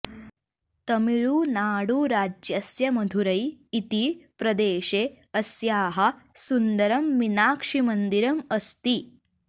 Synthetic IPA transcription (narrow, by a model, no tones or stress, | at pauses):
t̪ɐmiɭuːnaːɽuːɾaːd͡ʒjɐsjɐmɐd̪ʱuɾɐjit̪ipɾɐd̪eːɕe | əsjaːɦɐsund̪ɐɾɐmːinaːkʂimənd̪iɾɐməst̪i